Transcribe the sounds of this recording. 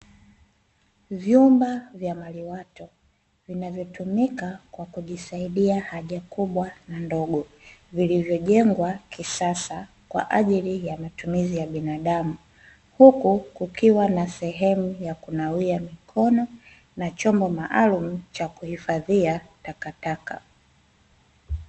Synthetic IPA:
vjumbavjamaliwatɔ | vinavjɔtumikakwakuʄisaiɗiahaʄakuɓwanandɔɡɔvilivjɔʄɛŋɡwakisasa | kwa̰ʔaʄilijamatumizijaɓinaɗamu | hukukukiwanasɛɦɛmujakunawiamikʰɔnɔ | nat͡ʃɔmbɔmaʔalumut͡ʃakuhifaðiatakataka̰

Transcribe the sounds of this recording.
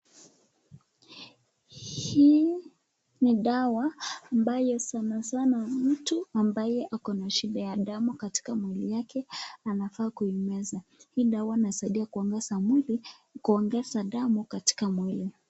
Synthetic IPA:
hi | niɗawaːmbajɔsanasanam̩tuambajɛʔakɔnaʃiɗajaɗamukati̥kamwilijakɛanafaːkuimɛzahiːɗawainasaiɗiakɡɛ | kuɔŋɡɛzaɗamukati̥kamwili

